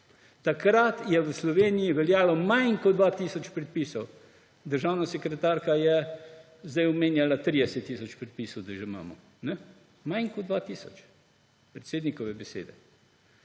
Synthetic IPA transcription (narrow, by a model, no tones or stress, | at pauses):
t̪akɾat̪jɛʋəslɔʋeːnijiʋɛljaːlɔmajŋkɔd̪ʋaːt̪iːsɔt͡ʃpɾɛt̪̚piːsɔw | d̪əɾʒaːwnasɛkɾɛt̪aːɾkajɛ | zd̪ɛjɔmeːnjalat̪ɾid̪ɛsɛt̪ːiːsɔt͡ʃpɾɛt̪̚piːsɔwd̪ɐʒɛma̰ːmɔ | nɛ | majŋkɔd̪d̪ʋaːt̪iːsɔ̰t͡ʃ | pɾɛt̪seːd̪nikɔʋɛbɛsḛːd̪ɛ̰